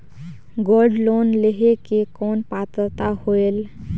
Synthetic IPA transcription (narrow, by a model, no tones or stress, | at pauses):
ɡoːlɖloːnleɦekekɔːnpaːt̪ət̪ahoel